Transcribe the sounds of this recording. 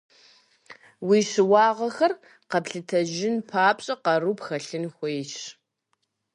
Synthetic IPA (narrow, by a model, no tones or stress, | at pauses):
wiːɕɪwɑːʁɐxɐr | qɐpɬɨtʰɐʒɪnpʰaːpʼɕʼɐqɐrupxɐɬɨnxʷejːt͡ʃ